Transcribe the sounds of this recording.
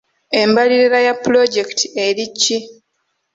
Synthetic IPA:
e̞mbaliɾiɾajapːlo̞ɟe̞ktʰie̞ɾicːi

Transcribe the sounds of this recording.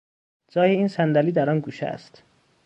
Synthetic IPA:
d͡ʒɒːjeiːnsænd̪æliːd̪æɾɒnɡuːʃæ̰st̪

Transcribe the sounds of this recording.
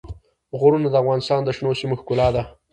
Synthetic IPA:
ɣʊɾunad̪əafɣɑnɪst̪ɑnd̪əʃnosimoxkulɑd̪a

